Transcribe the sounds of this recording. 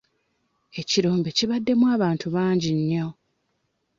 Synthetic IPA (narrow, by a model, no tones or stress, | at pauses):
e̞ciɾo̞ːmbe̞ciβadːe̞mwaːβaːntuβaːɲɟiɲːo